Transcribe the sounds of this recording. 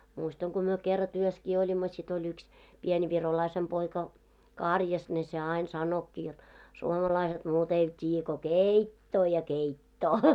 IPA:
muistɑŋ ko myø kerːɑ tyøskiː olʲimːo sit olʲ yks pien ʋirolɑisem poikɑ kɑˑrjɑs ne se ɑˑin sɑnokːi jot suomɑlɑiset muːt eiʋæt tʲiːjːæ ko keˑitːoː jɑ keitːoː

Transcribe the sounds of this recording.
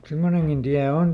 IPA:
semːoneŋɡ̊in d̥iæ on on

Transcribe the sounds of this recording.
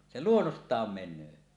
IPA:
se luonːostˑɑːm menˑøː

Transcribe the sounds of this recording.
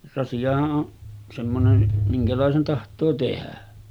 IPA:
rɑsiɑhɑʔ ʔoʔ semːonen miŋkælɑˑesen tɑhtˑoː tehæ

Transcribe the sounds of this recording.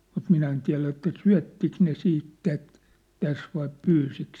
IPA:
mut minæ en tiæ̝læ etːæ syæ̝tːik ne siːt tæt tæs ʋɑi pyːsik

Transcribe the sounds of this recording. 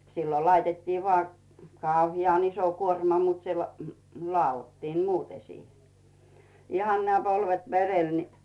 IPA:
silːo lɑitetːiː ʋŏɑˑ kɑˑuhiɑn iso kuormɑ mut se hmy lŏɑˑotːiːm muːte siːhe ihɑn næː polʋet ʋerel ni

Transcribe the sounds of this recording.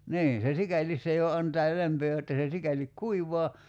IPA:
niːn̞ se sikælis se jo ɑntɑː læmpøː jotːɑ se sikælik kuiʋoɑ

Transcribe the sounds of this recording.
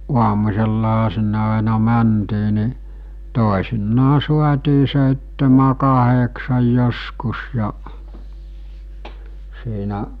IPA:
ʔuɑmusʲelːɑɦɑ sinːe ɑˑenɑ mæntiː ni toˑesinːɑː suɑtʲiː seˑitːemæ kɑheksɑj joskus jɑ siːnæ

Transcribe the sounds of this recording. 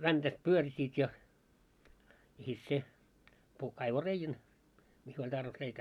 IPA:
ʋæntæt pyørsiːt jɑ jɑ sit se puhk kɑiʋo reijæn misː olʲ tɑrʋis reikæː

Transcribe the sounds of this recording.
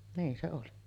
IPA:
niːn se oli

